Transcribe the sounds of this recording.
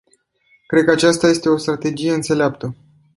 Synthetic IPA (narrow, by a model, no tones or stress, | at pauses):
kɾe̞d̪̚kəat͡ʃast̪aje̞st̪e̞o̞st̪ɾat̪e̞d͡ʒije̞ɨnt̪se̞leapt̪ə